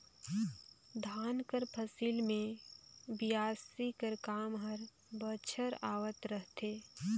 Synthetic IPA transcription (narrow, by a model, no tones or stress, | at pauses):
d̪ʱaːnkəɾpʰəsilmẽbijaːsikəɾkaːmɦəɾ | bət͡ʃʰəɾaːʋət̪ɾəɦt̪eː